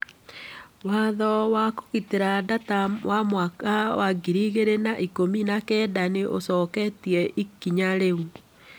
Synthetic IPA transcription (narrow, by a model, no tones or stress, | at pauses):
waðɔwako̥ɣiteɾadatawʔamwakawaɡiɾiɣeɾenaʔikominakɛdaneʔo̰sɔːkɛtiɛʔikiɲaɾeu